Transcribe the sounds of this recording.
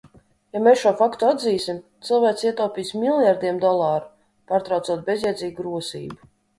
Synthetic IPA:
jamesʃuɔfakt̪uad̪ziːsimt̪sɨlˠvæːk̪siɛt̪ɔːwpiːsmilˠjaɾd̪iɛmd̪ɔlˠaːɾu | paːɾt̪ɾawt̪suɔt̪̚bʲɛzjad̪ziːɡuɡɾuɔsḭːbu

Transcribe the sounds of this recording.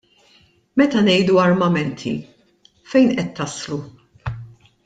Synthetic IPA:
mɛt̪ɐnɛjd̪uɐɾmɐmɛnt̪ʰḭ | fɛjnʔɛt̪ːɐslu

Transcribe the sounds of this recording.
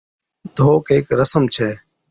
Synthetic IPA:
t̪oːkɦeːkɾəsəmt͡ʃʰɛː

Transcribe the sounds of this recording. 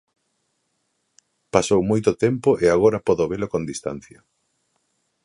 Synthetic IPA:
pasowmojt̪ot̪empoʔeaɣoɾɐpɔðoβelokond̪ist̪a̰n̟θjɐ

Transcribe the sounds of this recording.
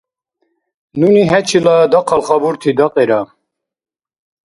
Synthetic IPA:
nuniɦɛt͡ʃʰilɑd̪ɑqʰɑlχɑbuɾt̪ʰid̪ɑqʼeɾɑ

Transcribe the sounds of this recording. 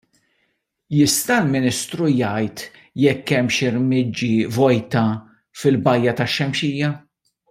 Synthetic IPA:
jɪst̪ɐlmɪnɪst̪ɾujɐjt̪ | jɛkːɛmʃɪɾmɪd͡ʒːivɔjt̪ɐ | fɪlbɐjːɐt̪ɐʃːɛmʃiːjːɐ

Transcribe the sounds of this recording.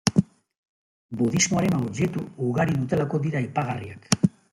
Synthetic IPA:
buðizmo̞aɾe̞nawʎe̞t̪uːɣaɾiðut̪e̞lako̞ðiɾaipaɣariak

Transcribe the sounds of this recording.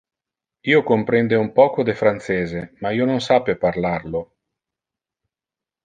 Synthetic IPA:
iːokompɾɛnd̪eumpɔːkod̪efɾant̪seːzemaiːononsapːeparlarlo

